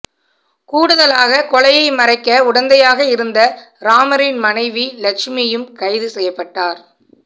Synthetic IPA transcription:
kuːɽɯðɐlaːɣɐkɔɭɐjɐɪmɐɾɐɪkːɐʊɽɐnd̪ɐjaːɣɐɪɾɯnd̪ɐɾaːmɐɾɪnmɐnɐɪʋilɐkʂmɪjɯmkɐɪðɯsɛjːɐpːɐʈːaːɾ

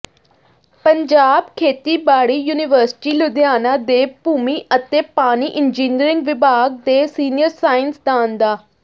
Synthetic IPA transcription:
pəɲd͡ʒaːbkʰeːt̪iːbaːɽiːjuːnɪʋəɾsɪ̥ʈiːlʊd̪jaːnaːd̪eːbuːmiːʔət̪eːpaːniːʔɪnd͡ʒiːnɾɪ̃ŋɡʋɪbaːɡ̚d̪eːsiːnɪjəɾsaːɪnsd̪ãːnd̪aː

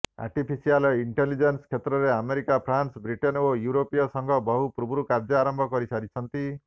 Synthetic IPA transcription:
a̰ɾʈipʰisialiɳʈelid͡ʒenskʰet̪ɾɔɾeameɾikapʰɾansbɾiʈenojuɾopijɔsɔŋɡʱɔbɔɦupɾubuɾukaɾd͡ʒɔaɾɔmbʱɔkɔɾisaɾit͡ʃʰɔnt̪i

